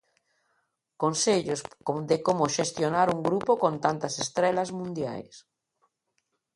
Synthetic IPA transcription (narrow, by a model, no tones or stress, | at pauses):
konseʎosd̪ɪkomoʃest̪jonaɾuŋɡɾupokõnt̪ant̪ɐsest̪ɾɛlazmũnd̪ja̰js